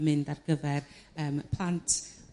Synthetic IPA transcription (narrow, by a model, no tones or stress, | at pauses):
mɪndarɡəvɛr | əːmpʰl̥ˠantʰ